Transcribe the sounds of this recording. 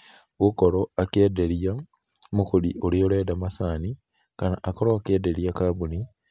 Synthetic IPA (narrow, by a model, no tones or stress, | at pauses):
wukoloakeːdelia | mukuliʔolioledamasaːni | kanaʔakoloakeːdelijakaβuni